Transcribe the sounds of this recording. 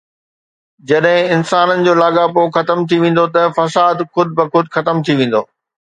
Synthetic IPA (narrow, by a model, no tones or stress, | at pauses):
d͡ʑɐɗɦɪ̃ɪnsaːnənɪ̆d͡ʑoːlaːɠapoxɐt̪əmt̪ʰiʋẽːn̆d̪ot̪ɐfɐsaːd̪xʊd̪ʱɪbɪxʊd̪xɐt̪əmt̪ʰiʋẽːn̆d̪oː